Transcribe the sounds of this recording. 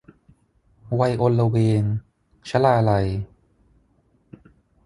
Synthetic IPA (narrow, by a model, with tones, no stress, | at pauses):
wa˧jʔo˧nla˧weː˧n | t͡ɕʰa˦laː˧la˧j